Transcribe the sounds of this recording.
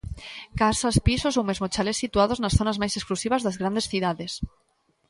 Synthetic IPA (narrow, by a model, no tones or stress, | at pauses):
kasaspisosowmezmot͡ʃalesːit̪uað̞oznasθonazmajsesklusiβ̞azðazɣɾand̪esθuðaðes